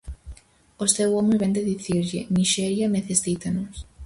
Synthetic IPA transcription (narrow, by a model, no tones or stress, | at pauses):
ost̪ewomeβend̪eðiθiɾʎɪmiʃɛɾjɐmeθest̪it̪ɐnos